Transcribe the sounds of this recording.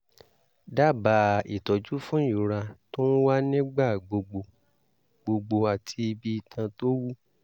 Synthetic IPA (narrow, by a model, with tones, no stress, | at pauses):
da˦˨ba˨i˨tɔ˨d͡ʒu˦fũ˦i˨ɾa˧to˦n̩˦wa˦nĩ˦ɡ͡ba˦˨ɡ͡bo˧ɡ͡bo˧ | ɡ͡bo˧ɡ͡bo˧a˨tʰi˧i˧bi˧i˨tʰã˧to˦wu˦˨